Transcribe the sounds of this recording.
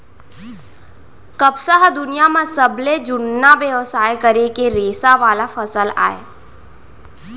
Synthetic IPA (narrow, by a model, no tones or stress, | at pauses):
kəbsaɦd̪ʊnijamãsəbled͡ʒʊnːabeʋsaːjkəɾekeɾeːsaʋaːlafəsəla̰ːeː